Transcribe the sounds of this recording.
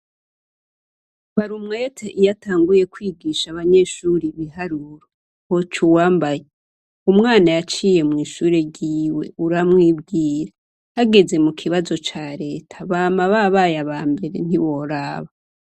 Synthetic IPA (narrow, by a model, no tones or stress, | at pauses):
βaɾumŋajetʰeʔijataːŋɡuje̞kwiɡiːʃaβaɲe̞ʃuːɾiβiɦaɾuɾo | hot͡ʃuwaːmbaje | umŋaːnajat͡ʃiːje̞mŋiːʃuːɾeɟiːwe̞̰uɾamŋiːbɡiːɾe | haɡe̞ze̞mukʰiβazo̞t͡ʃaːɾe̞ːtʰḁβaːmaβaβajaβaːmbe̞ɾe̞̰n̥iβo̞ɾaːβa